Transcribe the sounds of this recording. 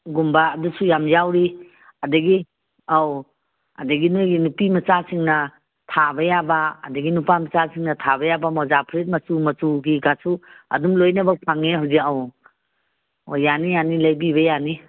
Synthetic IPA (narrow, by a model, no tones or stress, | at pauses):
ɡumbaːdusujamjawɾi | adɐɡi | aw | ɐ̰dɐɡinojɡinupimɐt͡ʃasiŋnɐ | tʰabɐjaba̰ːdɐɡinupamɐt͡ʃasiŋnɐtʰabɐjabamɔzapʰɾit̚mɐsumɐt͡ʃuɡiɡasuɐ̰dumlojnɐbɐpʰaŋeɦawziaw | ojanijanilɐjbiβɐjani